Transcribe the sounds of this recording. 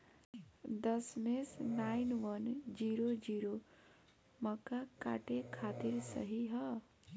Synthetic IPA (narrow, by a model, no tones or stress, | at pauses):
d̪əsmesnaːɪnʋənd͡ʒiːɾod͡ʒiːɾo | məkaka̰ːʈekʰaːt̪ɪɾsɐ̰ɦiɦɛ